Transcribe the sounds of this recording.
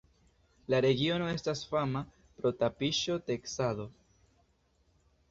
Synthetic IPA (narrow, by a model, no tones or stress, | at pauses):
laɾe̞ɡio̞no̞e̞stasfama | pɾo̞tapiʃo̞te̞ksado̞